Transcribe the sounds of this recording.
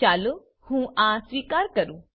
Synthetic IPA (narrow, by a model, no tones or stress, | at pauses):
aːlu | hũːʔãːsʋiːkaːɾkəɾũː